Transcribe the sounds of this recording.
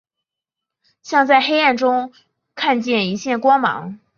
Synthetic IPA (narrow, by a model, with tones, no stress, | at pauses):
ɕjɑ˥˧ŋt͡sa˥˩ɪxe˥ɪa˥˩nʈ͡ʂʊ˥ŋ | kʰa˥˧nt͡ɕjɛ˥˩ni˧˥ɕjɛ˥˩nkwɑ˥ŋmɑ̰˧˥ŋ